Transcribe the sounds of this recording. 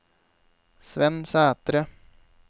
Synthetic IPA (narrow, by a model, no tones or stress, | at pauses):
sʋɛnsæːt̪ɾə